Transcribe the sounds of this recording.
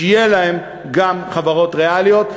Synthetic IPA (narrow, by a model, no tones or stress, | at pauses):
jelae̞m | ɡamχavaʁo̞t̪ʁealijo̞t̪